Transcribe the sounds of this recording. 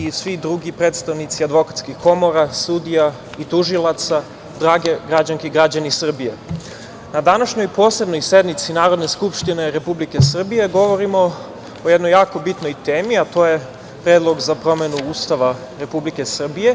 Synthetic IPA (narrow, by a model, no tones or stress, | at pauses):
isʋid̪ɾuɡipɾet̪st̪aʋnit̪siad̪ʋo̞kat̪skixkʰo̞mo̞ɾasud̪ija | it̪uʒilˠat̪sa | d̪ɾaːɡe̞ɡɾad͡ʑaŋkeɡɾad͡ʑanisr̩bije̞ | nad̪anaʃɲojpo̞ːse̞bno̞jse̞d̪mit̪sinaːɾo̞d̪neskupʃt̪ine̞ɾe̞publike̞sr̩bije̞ɡo̞ʋo̞ɾimo̞ | ojed̪nojaːko̞bit̪no̞jt̪eːmiat̪o̞ːje̞ | pɾe̞ːd̪lˠo̞ɡzapɾo̞me̞nuuːst̪aʋa | ɾe̞publike̞sr̩bije̞